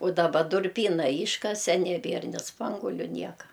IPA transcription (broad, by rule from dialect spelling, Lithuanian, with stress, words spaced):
ʊ dɐˈbɐ dʊrʲˈpʲiːnɐ ˈiːʃkɐsʲɛ nʲɛˈbʲeːr nʲɪ ˈspɐŋɡuɔlʲʊ ˈnʲiɛkɐ